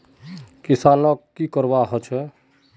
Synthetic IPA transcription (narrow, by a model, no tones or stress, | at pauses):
kisanəkːikəɾbaɦɔt͡ʃʰɛ